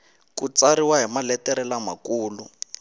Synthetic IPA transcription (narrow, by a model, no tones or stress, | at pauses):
kut͡saɾiwaɦimalɛtɛɾɛlama̰kuːlu